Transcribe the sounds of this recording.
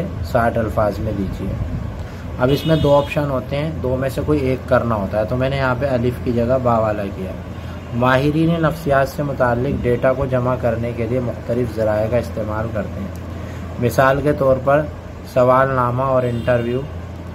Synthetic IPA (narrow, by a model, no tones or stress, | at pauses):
esaːʈɐlfaːzmẽd̪iːt͡ʃiɛ̰ː | ɐbɪsmẽd̪oːɔːpʃənɦoːt̪eɦɛ̃d̪oːmẽsekoːieːkːɐɾnaɦoːt̪aɦɛt̪omɛ̃ːnejɐɦãpeɐlɪfkid͡ʒɐɡəbaːʋaːlakija̰ːɦ | maːɦɪɾiːninɐfsijaːt̪semʊt̪aːlːɪk̚ɖeːʈakod͡ʒɐmakɐɾnekeliemʊxt̪əlɪfzɐɾaːekaɪst̪eːmaːlkɐɾt̪eɦɛ̰̃ː | mɪsaːlket̪ɔːɾpɐɾ | sɐʋaːlnaːmaɔːɾɪ̃ɳʈəɾʋjuː